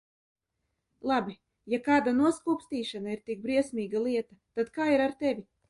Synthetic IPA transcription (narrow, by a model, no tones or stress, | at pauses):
lˠabʲi | jakaːd̪anuɔskuːpst̪iːʃanaiɾt̪ik̚bɾiɛsʲmʲiːɡalˠiɛt̪at̪ad̪kaːiɾaɾt̪ɛvʲi